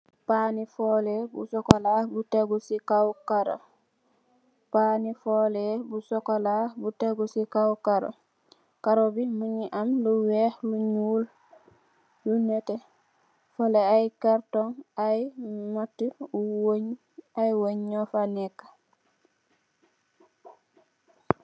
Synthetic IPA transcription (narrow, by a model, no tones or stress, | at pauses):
paːnifɔːlɛbusɔkɔlabuteɡusikawkaɾo̰ | panifɔːlɛbusɔkolabuteɡusikawkaɾo̰ | kaɾobimuɲiʔamluwɛxluɲuːl | lunɛtɛ | foleajkaɾtɔŋajmatːiuwoɲ | ajwoɲɲɔfanɛkːḁ